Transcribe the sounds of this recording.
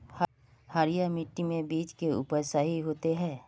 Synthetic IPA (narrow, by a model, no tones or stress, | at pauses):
h | haːɾijamɪʈːimẽbiːt͡ʃkeʊ̰pəsaɦiɦoːt̪eɦɛ̃ː